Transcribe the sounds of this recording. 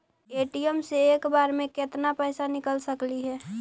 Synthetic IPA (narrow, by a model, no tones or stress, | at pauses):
eːʈijəmseeːkbaːɾmẽket̪napəɪsanɪkəlsəkliɦɛː